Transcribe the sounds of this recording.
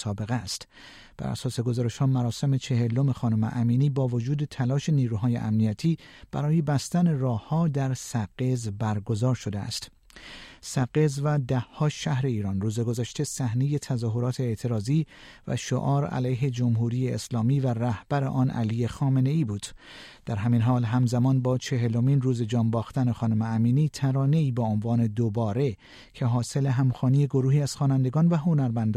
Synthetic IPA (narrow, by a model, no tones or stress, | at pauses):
sɒːbe̞ɣest̪ | b̥æ̰ɾæ̰sɒːse̞ɡo̞zɒːɾe̞ʃhɒːmæɾɒːse̞me̞t͡ʃʰe̞he̞lo̞me̞xɒːnomḛʔæmiːniːbɒːvo̞d͡ʒuːd̪e̞t̪ʰælɒːʃe̞niːɾuːɦɒːjḛʔæ̰mnijæt̪ʰiːb̥æ̰ɾɒːje̞bæst̪æne̞rɒːhːɒːd̪æɾsæɡezbæɾɡo̞zɒːɾʃo̞d̪eæ̰st̪ | sæɡezvæd̪æhhɒːʃæhɾe̞iːɾɒːnruːze̞ɡo̞zæʃt̪e̞sæhneje̞t̪ʰæzɒːɦo̞ɾɒːt̪ʰe̞ːt̪ʰe̞ɾɒːziːvæ̰ʃo̰ʔɒːɾæ̰læjɦe̞d͡ʒo̞mɦuːɾiːjeːslɒːmiːværæhb̥æɾḛʔɒːnʔæ̰liːje̞xɒːme̞ne̞iːbuːd̪̥ | d̪̥æɾɦæminɦɒːlɦæmzæmɒːnbɒːt͡ʃʰe̞ɦe̞lo̞minruːze̞d͡ʒɒːmbɒːxt̪æne̞xɒːnumeæmiːniːt̪ʰæɾɒːne̞iːbeonvɒːne̞d̪obɒːɾe̞ | cʰe̞ɦɒːse̞le̞ɦæmxɒːniːje̞ɡo̞ɾuːhiːæz̥xɒːnænd̪e̞ɡɒːnvæɦo̞næɾmænd̪ː